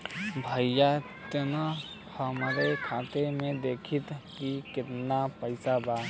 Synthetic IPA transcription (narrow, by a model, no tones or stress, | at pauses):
bʱəjja | t̪ena | pʰəməɾekʰãːt̪emẽd̪eːkʰit̪kikɪt̪napəɪsaba